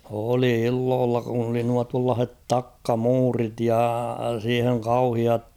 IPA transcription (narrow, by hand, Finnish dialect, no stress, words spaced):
oli ilːoːlːɑ kun oli nuɑ tuɑlːɑːh̞et tɑkːɑmuːrit jɑ siːheŋ kɑuhiɑt